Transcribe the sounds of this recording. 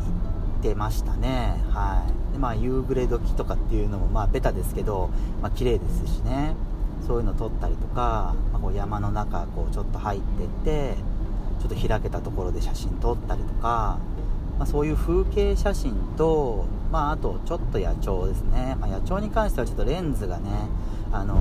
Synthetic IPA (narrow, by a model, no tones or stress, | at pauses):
it̪ːe̞maɕi̥t̪ane̞haid̪e̞majɯ̟ːɡɯ̟ɾe̞d̪o̞kʲi̥t̪o̞kat̪ːe̞jɯ̟no̞mo̞maːbe̞t̪ad̪e̞sɨ̥ke̞d̪o̞maːkʲiɾe̞ːd̪e̞sɨ̥ɕine̞soːjɯ̟no̞t̪o̞t̪ːaɾʲit̪o̞kamako̞ːjamano̞nakako̞ːt͡ɕo̞t̪ːo̞hait̪ːe̞t̪ːe̞ | t͡ɕo̞t̪ːo̞çiɾake̞t̪at̪o̞ko̞ɾo̞d̪e̞ɕaɕĩnt̪o̞t̪ːaɾʲit̪o̞̥ka | maso̞ːjɯ̟ːɸɯ̟ːke̞ːɕaɕĩnt̪o̞maat̪o̞t͡ɕo̞t̪ːo̞jat͡ɕo̞ːd̪e̞sɨne̞majat͡ɕo̞ːɲ̟ikãɰ̃ɕi̥t̪eβat͡ɕot̪ːo̞ɾẽ̞nd͡zɨɡane̞ | ano̞